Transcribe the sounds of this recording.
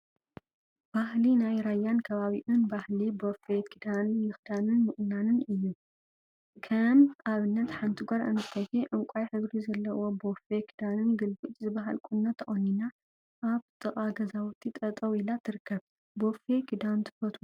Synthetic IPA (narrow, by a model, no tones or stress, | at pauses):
b̥ahlinajɾajːankʰɐβaβiʔɨnbahlibofekʰid̪anmɨxd̪anɨnmɨʔʼnanɨnɨjːu | kʰɐmʔaβɨnːɐt̪ħant̪ʰiɡʷaɾʔɨ̰nʰɨt̪ʰɐjhiʔɨŋkʷʼajħɨβɾizɐlːɐwobofekʰi̥d̪anɨnɡɨlbut͡ʃʼzɨbaɦalkʼunːɐt̪ʰɐʔʼonːina | ʔaβt̪ʰʼɨχʼaɡɐzawt̪ʰːit̪ʼɐt̪ʼɐwilat̪ʰɨɾɨkʰːɐβ | bofekʰid̪ant̪ʰɨ̥fɐt̪ʰu